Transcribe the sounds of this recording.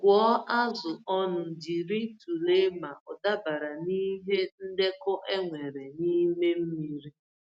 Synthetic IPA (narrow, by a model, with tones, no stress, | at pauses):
kʷɔ˨˦ʔa˦zʊ˨ɔ˦nʊ˨di˨ɾi˦tu˨le˦ma˨ʔɔ˨da˦ba˨ɾa˨ni˦ɦe˦n̩˦de˦kɔ˦ʔe˦ŋʷe˨ɾe˨ni˦me˦m̩˦mi˦ɾi˦